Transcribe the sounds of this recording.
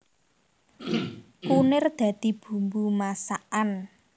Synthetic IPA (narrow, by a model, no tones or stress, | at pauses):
kunɪrd̪̥ä̤d̪̥i̤b̥ṳmbumasaʔan